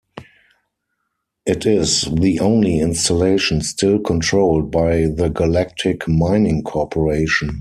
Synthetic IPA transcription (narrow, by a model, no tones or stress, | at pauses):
ʔɪtʰɪzðiʔõʊ̃nliɪ̃nstaleɪʃə̃nstɪlkʰɔ̃ntʰɹoʊld̚baɪðəɡalæk̚tʰɪkmãɪ̃nɪ̃ŋkʰɔpʰəɹeɪʃə̃n